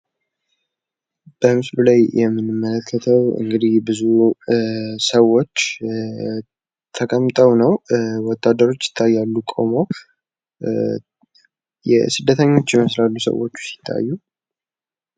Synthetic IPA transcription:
b̥əmɨslulajjɛmːɨnɨmːələkʰːət̪ʰəwɨ̰ŋɡɨd̪ihbɨzu | səwo̞t͡ʃː | t̪ʰəkʼəmːt̪ʼəwnəwwɔt̪ʰːad̪ːəɾo̞t͡ʃːjɪ̥t̪ʰːajːalːukʼo̞̰mo̞ | jɛ̰sɨd̪ːət̪ʰəɲːo̞t͡ʃːjɛməslalːusə̰wo̞t͡ʃːu̥si̥t̪ʰːa̰jːu

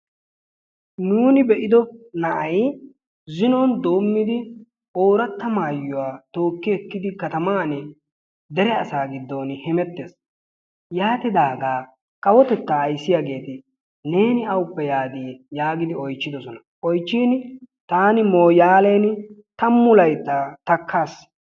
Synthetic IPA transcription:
nuːnɪbɛʔɪd̪ɔnɐʔɐj | zɪnɔnd̪o̞ːmːɪd̪ɪ | o̞ːɾɐt̪ːɐmaːjːʊwaːt̪o̞ːkːɪɛkːɪd̪ɪkɐt̪ɐmaːnɛ | d̪ɛɾɛɐsaːɡɪd̪ːoːnhɛmɛt̪ːes | jaːt̪ɪd̪aːɡaː | kʼɐwɔt̪ɛt̪ːaːjsːɪjaːɡe̞ːt̪ɪ | ne̞ːnɪɐwʊpːɛjaːd̪iːjaːɡɪd̪ɪɔjt͡ʃːɪd̪ɔsɔnɐ | ʔɔjt͡ʃːiːn | t̪aːnɪmoːjaːleːnt̪ɐmːʊlɐjt̪ːat̪ɐkʰːaːs

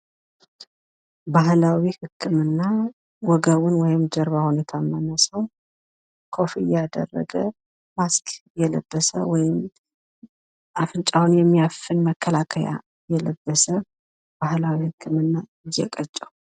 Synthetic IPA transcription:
bahlawihɨkʰːɨmɨnːa | wɔɡəwʊnwɔjɪmd͡ʒəɾβahunet̪ʰamːanəsəw | kʰo̞fijɛad̪ə̰rːə̰ɡə | maskʰʼjɛlə̰bːəsə̰wɔjɪm | ʔafɨnt͡ʃʼawunjɛmːijafɨnməkʰːəlakʰəja̰ | jɛləbːəsə | bahlawihɨkːɨmɨnːa | ɪjːɛkʼət͡ʃʼːəw

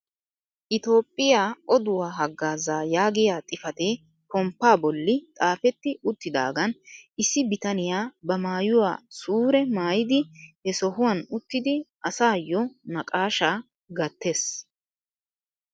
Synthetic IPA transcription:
ʔɪt̪o̞ːpʼːɪjaːɔd̪ʊwaːɦɐɡːaːzaːjaːɡɪjaːt̪ʼɪfɐt̪eː | kɔmpːaːbɔlːɪt̪ʼaːfɛt̪ːɪʔʊt̪ːɪd̪a̰ːɡɐnʔɪsːɪbɪt̪ɐnɪjaːbɐmaːjʊwa̰ːsuːɾɛmaːjɪd̪ɪhɛsɔhʊwɐnʊt̪ːɪd̪ɪʔɐsaːjɔnɐkʼaːʃaː | ɡɐt̪ːeːs

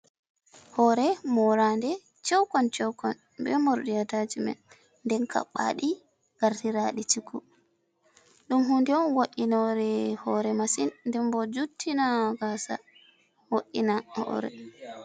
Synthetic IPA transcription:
hɔɾɛmɔɾandɛ | t͡ʃɛwkɔnt͡ʃɛwkɔn | bɛmoɾdijatad͡ʒimɛ̰n | nːdɛnkʰa̰ɓa̰ɗi | ɡ̥aɾtiɾaɗit͡ʃikʰːu | ɗumɦundɛɔnwoʔinɔɾɛhɔɾɛmasinndɛmbɔd͡ʒutʰːinaɡasa̰ | woʔːinahɔ̰ɾɛ̰

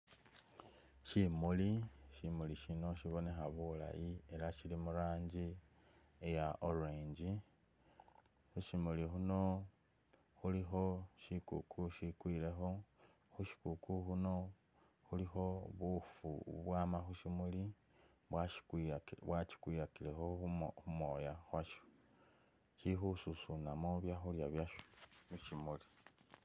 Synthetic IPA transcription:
ʃimuliʃimuliʃino̞ʃiβo̞ne̞xaβula̰jie̞laʃilimuɾaːɲɟi | ejaʔoɾeːɲɟi | xuʃimulixuno̞ | xulixo̞ʃikṵkʰuʃikwiːle̞xo̞ | xuʃi̥kukʰuxuno̞ | xulixo̞βufṵβwaːmaxuʃimuli | βwaʃiβwat͡ʃi̥kwijakilexoxuxumojaxwaʃo̥ | t͡ʃixususunamoβjaxuljaβjaʃo̥miʃimuli

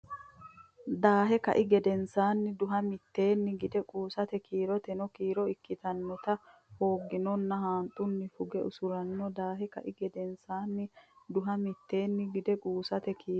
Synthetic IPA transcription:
d̪aːɦɛkɐ̰ʔɪɡɛd̪ɛnsaːnːɪd̪ʊɦɐmɪt̪ːe̞ːnːɪɡɪd̪ɛkʼuːsɐt̪ɛkʰiːɾɔt̪ɛnɔkiːɾɔɪkːɪt̪ɐnːɔt̪ɐ | hoːɡːɪnɔnːɐɦaːnt̪ʼːʊnːɪfʊɡɛʔʊsʊɾɐnːɔd̪aːɦɛkɐ̰ʔɪɡɛd̪ɛnsaːnːɪd̪ʊɦɐmɪt̪ːe̞ːnːɪɡɪd̪ɛkʼuːsɐt̪ɛkiː

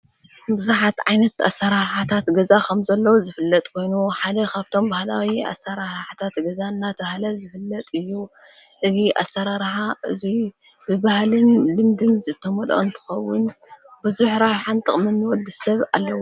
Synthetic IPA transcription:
bɨzuħat̪ʕajnɐt̪a̰sːɐɾaɾħat̪ʰat̪ɡɐzakʰɐmzɐlːɐwuzɨfɨlːɐt̪ʼkʰo̞jnuħad̪ɐkʰaβt̪ʰo̞mbahlawia̰sːɐɾaɾħat̪ʰat̪ɡɐzanːat̪ʰbahlɐzɨfɨlːɐt̪ʼɨjːu | ʔɨziʔa̰sːɐɾaɾħaʔɨzi | bɨbahlɨnlɨmd̪ɨnzɨt̪ʰːɐmɐlʔo̰nt̪ʰɨ̥xɐwːʊnbɨzuħɾajħant̪ʼɨχʼmɨnːɨwɔd̪ɨsɐβa̰lːɐwo

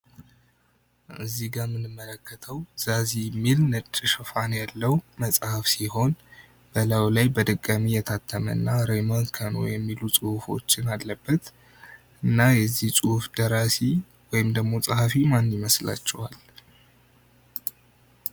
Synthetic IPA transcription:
ʔɨzːiɡamɨnɨmːələkːət̪ʰəwz̥azijɛmːilnət͡ʃʼːɨʃɨfanjalːəwməsʼhafsiho̞n | b̥əlawlajbəd̪ɨkʼːamijɛt̪ʰat̪ʰːəmə̰nːaɾejmonkʰano̰jɛmːilusʼuhfo̞̰t͡ʃːɪnallːəbːət̪ | ɨnːajɛzːihsʼuhfd̪̥əɾasi | wɔjɪmd̪əɡmo̞sʼahafimanːɪməsla̰t͡ʃːɛwa̰l

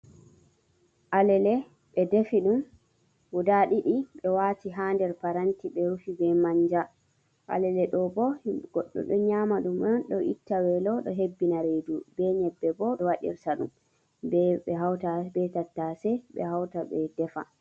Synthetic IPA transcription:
ʔalɛlɛ | ɓɛdefiɗum | wudaɗiɗiɓɛwaːtiɦandɛɾpaɾantiɓɛɾufibɛmaɲd͡ʒa | ʔa̰lɛlɛɗɔbɔɡ̥ɔɗːɔ̰ɗɔɲamaɗumɔnɗɔʔḭtːawɛlɔɗɔɦebːinaɾedubɛɲɛbːɛbɔɗɔwaɗḭɾtaɗṵm | bɛɓɛɦawtabɛtatːasɛɓɛ̰hawtaɓɛdɛfa

